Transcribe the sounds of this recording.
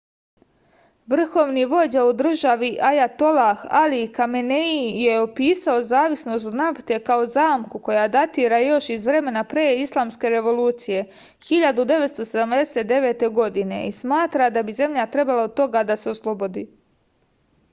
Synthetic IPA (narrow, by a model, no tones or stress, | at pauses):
ʋr̩xo̞ʋniʋo̞d͡ʑaud̪r̩ʒaʋiʔajat̪o̞laxalikameneijeopiːsao̞zaːʋisno̞st̪od̪naft̪e̞kao̞zaːmkuko̞jad̪at̪iːɾajo̞ʃizʋɾe̞me̞napɾeːislˠaːmske̞ɾe̞ʋo̞luːt̪sije̞ | xiʎad̪ud̪e̞ʋet̪st̪o̞se̞d̪amd̪e̞se̞t̪̚d̪eʋe̞ːt̪e̞ɡo̞d̪ine̞̰ismaːt̪ɾad̪abize̞mʎat̪ɾe̞balaod̪̚t̪o̞ɡad̪ase̞oslˠo̞bo̞d̪iː